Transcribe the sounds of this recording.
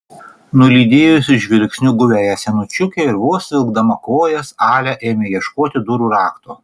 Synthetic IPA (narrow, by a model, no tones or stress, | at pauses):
nʊlʲiːd̪ʲeːjʊsʲɪʒʲʋʲɪlʲksʲnʲʊɡʊʋʲæːjæsʲɛnʊt͡ʃʲʊkʲɛˑɪɾʋoɔsʋʲɪlˠɡd̪ɐmɐkoːjɛsɑːlʲɛʔeːmʲejiɛʃkoːt̪ʲɪd̪ʊɾuːɾɑːkt̪oː